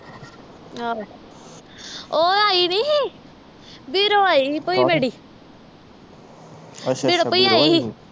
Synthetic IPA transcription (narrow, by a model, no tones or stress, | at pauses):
ɦa | oːaːiniɦ | biːɾoːaːipoːimeɽiː | biɽopoiaːiɦi